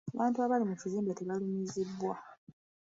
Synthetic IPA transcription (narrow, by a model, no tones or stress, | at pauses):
aβaːntuaβalimuciziːmbateβalumizibːwa